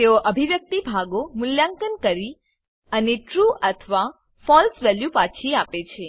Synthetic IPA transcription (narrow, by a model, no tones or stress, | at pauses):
t̪eoʔəbʱiʋjək̚t̪ibʱaɡomʊljãŋkənkəɾi | əneʈɾuət̪ʰʋa | fɔlsʋɛljupat͡ʃʰiapet͡ʃʰe